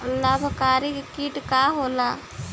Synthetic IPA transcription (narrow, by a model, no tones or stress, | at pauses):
labʱkaːɾikkiːʈkaɦoːla